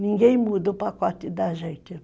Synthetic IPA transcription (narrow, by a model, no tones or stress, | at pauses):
nĩŋɡẽj̃mud̪ɐupakɔt̪ɪd̪aʒẽnt̪ɪ